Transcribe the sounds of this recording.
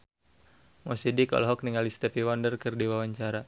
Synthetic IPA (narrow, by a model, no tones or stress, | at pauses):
mɔsidikɔ̰lɦɔk̚niŋalist̪ɛpiwɔndərkɨrdiwawaɲt͡ʃaɾa